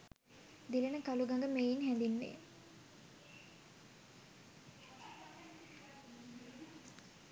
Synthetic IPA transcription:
d̪ilənəkaluɡaŋɡəmejinɦænd̪inːḛ

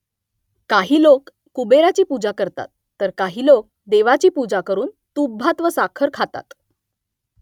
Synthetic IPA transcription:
kaɦiːlokː | ubeɾat͡ɕiːpud͡zakəɾt̪a̰t̪ːəɾkaɦiːlok̚ | d̪eʋat͡ɕiːpud͡zakəɾuːn | t̪ubʱat̪ʋəsakʰəɾkʰat̪a̰t̪

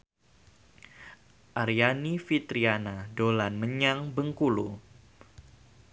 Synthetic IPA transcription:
ʔaɾjanifit̪ɾianadolanməɲaŋbəŋkulṵ

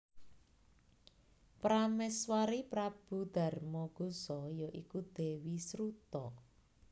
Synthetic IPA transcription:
pɾamɛswaɾipɾab̥ṳd̪̥a̤rmɔɡ̥o̤sɔjɔʔikud̪̥e̤wisɾut̪ɔ

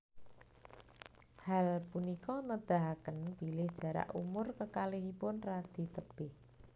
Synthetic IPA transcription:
halpunikɔnəd̪̥a̤ɦakənb̥ilɪhd̥ʒ̥a̤ɾa̰ʔumʊrkəkalɪɦipʊnrad̪̥i̤t̪əb̥ɪh

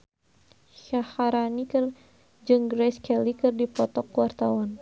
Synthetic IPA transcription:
ʃahaɾanikɨr | d͡ʒɨŋɡɾɛskʰɛlikɨrdipɔt̪ɔkːuwart̪awan

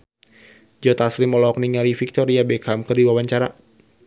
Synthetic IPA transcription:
d͡ʒɔt̪aslimɔlɔɔk̚niŋalifik̚t̪ɔɾiabɛkamkɨrdiwawaɲt͡ʃaɾa

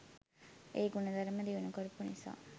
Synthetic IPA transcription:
eːɡunɐd̪ɐɾəməd̪iʋunukoɾupunisa̰ː

